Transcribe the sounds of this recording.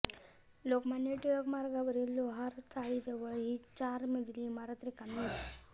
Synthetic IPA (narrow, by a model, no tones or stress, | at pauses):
lokmanjeʈiɭokmaɾɡaʋəɾiːlːoɦaɾt̪ʰaɭid͡z̪əʋəɭɦit͡ɕaɾməd̪ʱliːmaɾat̪ɾikanməli